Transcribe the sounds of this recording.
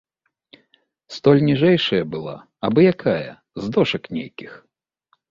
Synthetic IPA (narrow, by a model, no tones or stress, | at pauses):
st̪ɔlʲnʲiʐɛjʂɐjɐbɨlˠa̰ | ɐbɨjakʰajɐ̰ | zd̪ɔʂɐknʲejkʲix